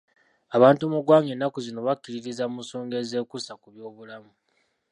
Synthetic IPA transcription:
aβaːntuoːmuɡwaːŋe̞nːakuzino̞βakːiɾiɾizamuso̞ːŋɡe̞ze̞ːkusakuβjo̞ːβulamu

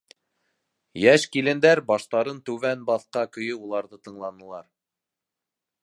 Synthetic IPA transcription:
jæʃkilɘ̆nd̪æɾbɑʃt̪ɑɾɤnt̪ʉβænbɑθqɑkɵ̆jɵulˠɑɾðɤt̪ɤ̆ɴlˠɑnɤ̆lˠɑɾ

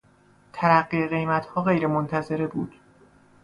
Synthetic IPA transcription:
t̪ʰæɾæɢːieɣe̞jmæt̪ʰhɒːɣe̞jɾemont̪ʰæze̞ɾebuːd̪̥

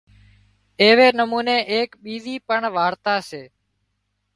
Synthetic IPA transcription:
eːʋeːnəmuːneːʔeːkɓiːziːpəɳʋaːɾt̪aːseː

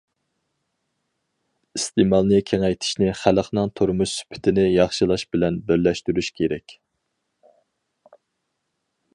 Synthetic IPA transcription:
ist̪emɑlˠnɨkʲʰeŋɛjt̪ʰɪ̥ʃnɪχæləqnɨŋt̪ʰoɾmuʃsy̥pʰɪ̥t̪ʰɪnɪjɑχʃɨlˠɑʃbɪlɛnbɪɾlɛʃt̪yɾyʃkʲʰeɾɛkʲ

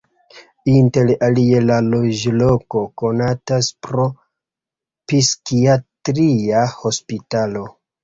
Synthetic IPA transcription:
inte̞lalie̞lalo̞d͡ʒlo̞ko̞ko̞nataspɾo̞ | piskiatɾiaho̞spitalo̞

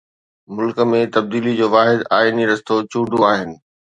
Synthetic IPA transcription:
mʊlk̆mẽt̪ɐb̚d̪iːlid͡ʑoːʋaːɦɪd̪aːiniɾɐst̪ot͡ɕũːɖʱoaːɦɪnɪ̆

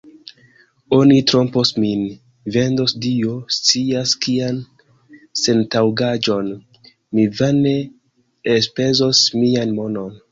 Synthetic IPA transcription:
o̞nitɾo̞mposmin | ve̞ndo̞sdiost͡siaskian | se̞ntawɡad͡ʒo̞n | mivane̞ | espe̞zo̞smianmo̞no̞n

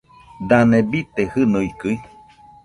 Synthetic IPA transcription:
d̪anẽbit̪ehɨnɨikɨi

